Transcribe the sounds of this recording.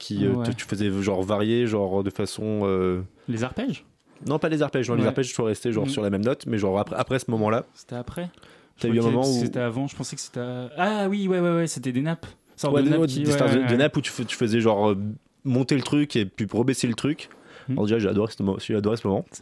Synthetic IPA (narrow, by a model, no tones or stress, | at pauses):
kʲʰiøt̪ət̪y̥fəzɛʒɑ̃ʁvaʁjeʒɔ̃ʁd̪əfasɔ̃ø | lezaʁpɛʒ | nɔ̃palezaʁpɛʒnɔ̃lezaʁpɛʒswaʁɛst̪eʒɑ̃ʁsyʁlamɛmnɔt̪mɛʒɔ̃ʁapχapχɛsəmɔmɑ̃lase̥t̪ɛapχɛ | t̪yayɛ̃mɔmɑ̃uset̪ɛavɑ̃ʒəpɑ̃sɛkə̥se̥t̪ɛawiwɛwɛwɛset̪ɛd̪enap | sɔwɛɛd̪est̪ɛd̪əd̪enaput̪y̥ft̪y̥fəzɛʒɑ̃ʁø | mɔ̃t̪elət̪χykʲepyʁəbɛselət̪χykʲɔ̰ʁd̪eʒaʒəa̰d̪ɔʁɛsəmsiʒad̪ɔʁɛsəmɔmɑ̃